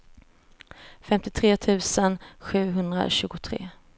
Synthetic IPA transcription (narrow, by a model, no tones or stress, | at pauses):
fɛmt̪ɪt̪ʰɾeːt̪ʰʉ̟ːsənɧʉ̟ːɦɵnd̪ɾa̰ɕʉ̟ːɡʊt̪ʰɾḛː